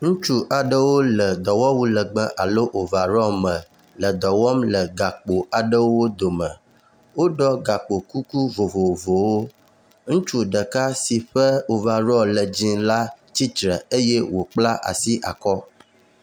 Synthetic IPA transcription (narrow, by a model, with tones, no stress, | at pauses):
ŋũ˦t͡ʃu˦ʔa˨ɖə˦wo˦lə˨d̪ɔ˨wɔ˦wu˦lə˨ɡ͡bə˦ʔa˨lo˦ʔo˨va˨ɾɔ˦mə̃˨ | lə˨d̪ɔ˨wɔ˦mlə˨ɡa˨k͡po˨a˨ɖə˦wo˦d̪o˨mə̃˨ | wo˦ɖɔ˦ɡa˨k͡po˨ku˦ku˦vo˨vo˨vo˨wo˦ | ŋũ˦t͡ʃu˦ɖə˨ka˦si˨ɸə˦o˨va˨ɾɔ˦lə˨d͡ʑĩ˦la˦ | t͡ɕi˦t̪ɾə˨e˦jɛ˦wo˨k͡pla˦ʔa̰˨si˦ʔa̰˨kɔ˦